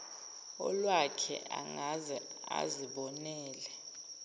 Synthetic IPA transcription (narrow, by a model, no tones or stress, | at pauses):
ɔ̰lwakʰɛ̰a̰ŋazɛa̰ziɓɔnɛːlɛ